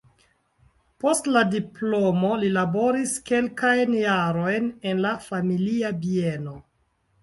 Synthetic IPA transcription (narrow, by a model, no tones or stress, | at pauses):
po̞stladiplo̞mo̞lilabo̞ɾiske̞lkajnjaɾo̞jnenlafamiliabie̞no̞